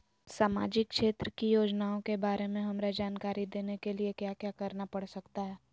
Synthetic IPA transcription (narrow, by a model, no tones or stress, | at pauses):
saːma̰ːd͡ʒɪk̚ʃeːt̪ɾəkijoːd͡ʒnaːõkebaːɾemẽɦɐmɾad͡ʒaːnkaːɾid̪eːnekeliekjaːkjaːkɐɾnapɐɽsɐkt̪aɦɛː